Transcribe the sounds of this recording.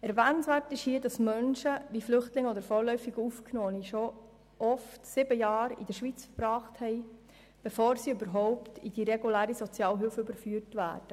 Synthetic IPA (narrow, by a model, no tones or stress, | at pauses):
ɛɾvɛːnnsʋæːɾtɪʃhiːədɑsmœnʃəʋiflʏχtlɪŋəɔd̪əɾfɔːɾlœʏfiɡəufknoːniʃo | ʔɔftsɪbəjɑːɾḭdəʃʋit͡sfəɾb̥ɾɑːχthɛɪ | b̥efoːɾsiybəɾɦɔʊptḭd̥iɾeɡulæːɾisɔt͡sjɑːlɦʏfəybəɾfyːəɾtʋæ̰ːɾd̥ə